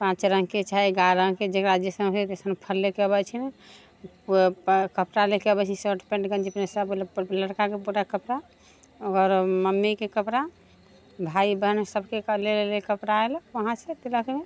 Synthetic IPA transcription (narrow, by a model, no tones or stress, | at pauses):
pãt͡ʃɾəŋɡket͡ʃajɡaɾə̃ŋked͡ʒeɾad͡ʒjəsəmet̪esənpʰəlːekeəbɛt͡ʃʰime | kəpɾalekeəbɛt͡ʃʰisoɾʈpẽɳʈɡə̃nd͡ʒipnesəblləɽkakebuɾakəpɾa | oɡəɾməmːekekəpɾa | bʱaibənsəbʱkeklellekəpɾaelʋəɦãset̪eləkme